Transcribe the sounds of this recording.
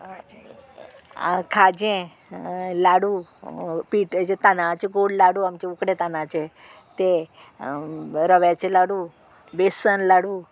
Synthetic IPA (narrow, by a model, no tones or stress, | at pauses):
kʰad͡ʑẽ | laɽu | piːʈd͡ʑet̪anat͡ɕeɡoɽlaɽuamt͡ɕeukɽet̪anãt͡ɕe | t̪e | ɾəʋjat͡ɕelaɽuː | besənlaɽuː